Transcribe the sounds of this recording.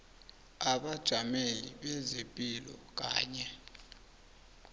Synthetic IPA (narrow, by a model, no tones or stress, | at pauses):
aɓad̥ʒ̥ʱameliɓɛzepʼilɔ̰k̬ʼa̰ːɲɛ